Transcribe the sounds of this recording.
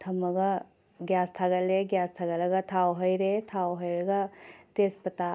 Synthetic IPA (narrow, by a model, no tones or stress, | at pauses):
t̪ʰɐmɐɡɐ | ɡjast̪ʰaɡɐleɡjast̪ʰaɡɐlɐɡɐt̪ʰawɦəjɾet̪ʰawɦəjɾɐɡɐt̪espɐta